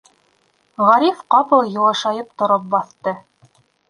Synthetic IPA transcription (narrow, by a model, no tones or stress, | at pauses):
ʁɑɾifqɑpɤ̆lˠjŭlˠɤ̆ʃɑjɤp̚t̪ŏɾop̚bɑθt̪ɤ